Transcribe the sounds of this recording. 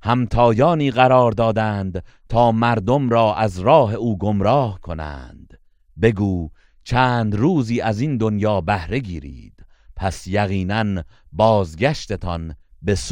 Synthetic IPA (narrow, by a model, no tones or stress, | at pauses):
hæmt̪ʰɒːjɒːniːɣæɾɒːɾd̪ɒːd̪æːnd̪ | t̪ʰɒːmæɾd̪o̞mɾɒːʔæzɾɒːɦe̞uːɡo̞mɾɒːhkʰo̞næ̰nd̪̥ | be̞ɡuː | t͡ʃʰæːnd̪ɾuːziːʔæzind̪o̞njɒːbæhɾe̞ɡiːɾḭːd̪̥ | pʰæsjæɣiːnæn | bɒːzɡæʃt̪e̞t̪ʰɒnbe̞su